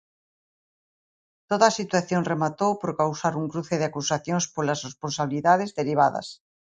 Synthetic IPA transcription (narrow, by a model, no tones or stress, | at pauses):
t̪oðaːsit̪waθjoŋremat̪owpoɾkawsaɾuŋkɾuθeðeakusaθjoŋspolasresponsaβ̞iliðað̞ezðeɾiβ̞aðɐ̰s